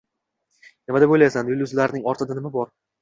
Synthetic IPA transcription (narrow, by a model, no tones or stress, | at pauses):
nɪmad̪abojlajsanjʊlʲˠʊzlaɾɪnɪŋɒɾt̪ʰɪd̪anɪmabɒɾ